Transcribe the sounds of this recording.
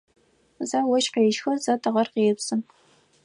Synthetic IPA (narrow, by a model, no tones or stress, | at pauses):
zɐwɔʃqeʃxɐzɐtʰɨʁɐrqeːpsɨm